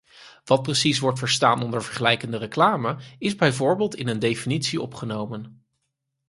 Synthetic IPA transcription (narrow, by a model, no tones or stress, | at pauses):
ʋɑt̚prəsisʋɔɹtfəɹstaːnɔndəɹvəɹχəlɛjkəndərəklaːməɪzbɛjvʊːɹbɪːlˠtɪnəndejfinitsiɔ̰pχənowmən